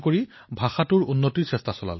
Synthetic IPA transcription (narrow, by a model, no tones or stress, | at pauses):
koɹibʱaxatʊɹunːotiɹsɛstasɔla̰l